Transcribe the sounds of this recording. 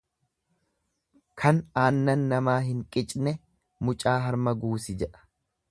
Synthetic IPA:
kʰɐnaːnːɐnːɐmaːɦɪŋkʼɪt͡ʃʼnɛ | mʊt͡ʃʼaːɦɐɾmɐɡuːsɪd͡ʒɛᶑɐ̥

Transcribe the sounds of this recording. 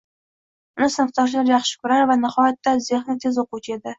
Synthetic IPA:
ʊnɪsɪnɨqt̪ɒɾʃ̬laɾjɑχʃɪ̥kʰʊɾaɾvanɪχɒjat̪ːazeχnɪt̪ʰe̞zoqut͡ʃʰe̞d̪ɪ

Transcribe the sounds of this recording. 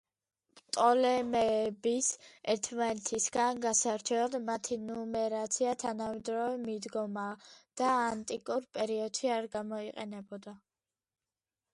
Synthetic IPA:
pt̪ʼɔlɛmɛbisɛɾt̪ʰmanɛt̪ʰisɡanɡasaɾt͡ʃʰɛlad̪mat̪ʰinɔmɛɾat̪sʰiat̪ʰanamɛd̪ɾɔvɛmid̪ɡɔmad̪̥aːnt̪ʼikʼuɾpʼɛɾiɔd̪̥ʃiaɾɡamɔiqʼɛnɛbɔd̪a

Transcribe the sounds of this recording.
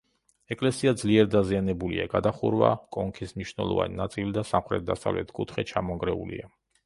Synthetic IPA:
ɛkʼlɛsiad̪zliɛɾd̪azianɛbuliaɡad̪aχuɾva̰kʼɔŋkʰismniʃnɛ̰lˠɔ̰va̰ninat̪sʼilid̪asamχɾɛ̰t̪̚d̪asa̰vlɛ̰t̪ʰkʼut̪ʰχɛt͡ʃʰamɔŋɡɾɛṵlḭa

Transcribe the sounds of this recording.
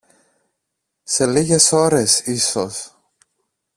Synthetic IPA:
se̞liɣe̞so̞ɾe̞sisos

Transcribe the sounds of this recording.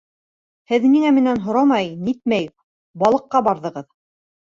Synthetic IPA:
hɘðniŋæmɘ̆nænɦŏɾɑmɑjnit̪̚mæj | bɑlˠɤ̆qːɑbɑɾðɤ̆ʁɤð

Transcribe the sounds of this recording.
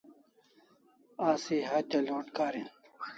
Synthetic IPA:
aːsiɦɐt͡ɕɐloːʈkaːɾin

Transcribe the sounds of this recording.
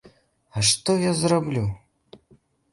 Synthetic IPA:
aʂt̪ɔjazrablʲu

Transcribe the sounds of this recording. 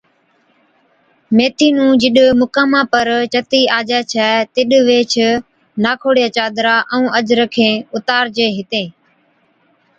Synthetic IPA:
meːt̪ʰiːnũːd͡ʒɪɗmʊkaːmãːpəɾt͡ʃət̪iːaːd͡ʒɛːt͡ʃʰɛːt̪ɪɗʋeːt͡ʃʰ | naːkʰoːɽijaːt͡ʃaːd̪ɾaːʔɛũːəd͡ʒɾəkʰẽːʊt̪aːɾd͡ʒeːɦɪt̪ẽː

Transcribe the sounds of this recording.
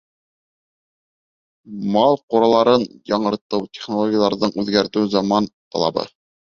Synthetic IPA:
mɑlˠquɾɑlˠɑɾɤnjɑɴɤ̆ɾt̪ɤwtʲeχnolˠoɡʲijɑlˠɑɾðɤɴʉðɡæɾt̪ɘwzɑmɑnt̪ɑ̰lˠɑ̰bɤ̰

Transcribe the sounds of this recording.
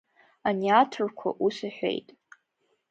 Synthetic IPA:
aniatʰɨrkʷʰa̰ʔusaħʷᶣḛjtʼ

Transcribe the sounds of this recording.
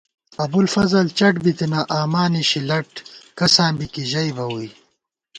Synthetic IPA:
ɐbulfɐzɐlt͡ɕɐʈbit̪inaʔaːmaːniɕilɐʈkɐsãːnbikiʑɐjbɐwuj

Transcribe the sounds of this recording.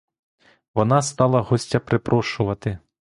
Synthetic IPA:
vɔnast̪alˠɐɣɔsʲt͡sʲɐpɾɪpɾʔɔʂuvɐt̪ɪ

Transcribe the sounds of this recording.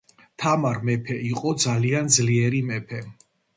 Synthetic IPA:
t̪ʰamaɾmɛpʰɛiqʼɔd̪zaliand̪zliɛɾimɛpʰɛ

